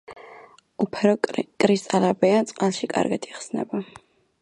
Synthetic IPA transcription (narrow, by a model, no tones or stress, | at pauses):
upʰɛɾɔkʼɾist̪ʼalabɛant̪sʼqʼalˠʃikʼa̰ɾɡat̪ʰiχsnɛ̰ba